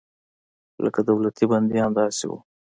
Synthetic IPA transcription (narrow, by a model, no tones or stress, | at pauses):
lə̰kad̪awlat̪iband̪iamd̪ɑsḭwṵ